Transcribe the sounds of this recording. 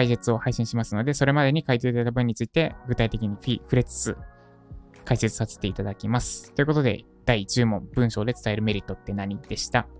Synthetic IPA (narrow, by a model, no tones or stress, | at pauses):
kaise̞t͡sɨo̞haiɕĩɕimasɨno̞d̪e̞so̞ɾe̞mad̪e̞ɲ̟ikait̪̬eit̪aait̪abɯ̟̃ɲ̟ːit͡sɨit̪e̞ɡɯ̟t̪ait̪e̞kʲiɲ̟iɸiɸɯ̟ɾe̞t͡sɨ̥t͡sɨ | kaise̞t͡sɨ̥sase̥t̪e̞it̪ad̪akʲimasɨ̥t̪ːo̞iɯ̟ko̞t̪od̪e̞̰ | d̪̥ait͡ɕɨːmõ̞mbɯ̟̃ɰ̃ɕo̞ːd̪e̞t͡sɨ̥t̪ae̞ɾɯ̟me̞ɾʲit̪ːo̞t̪ːe̞naɲ̟id̪̥e̞ɕi̥t̪a